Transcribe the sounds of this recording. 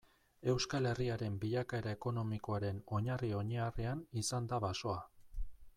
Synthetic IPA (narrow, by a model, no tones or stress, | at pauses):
e̞wskale̞riaɾe̞mbiʎakae̞ɾae̞ko̞no̞miko̞aɾe̞no̞ɲario̞ɲearianisand̪aβaso̞a